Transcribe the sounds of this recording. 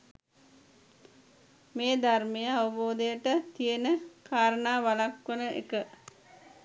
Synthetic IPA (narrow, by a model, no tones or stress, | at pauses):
meːd̪armejəaʋəboːd̪əjəʈət̪ijenəkʰaːɾənaːʋalakʋənəʔḛkə